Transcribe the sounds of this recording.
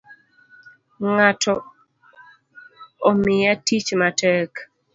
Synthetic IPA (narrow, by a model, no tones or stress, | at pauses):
ŋatʰɔ | omɪjatit͡ʃmatɛk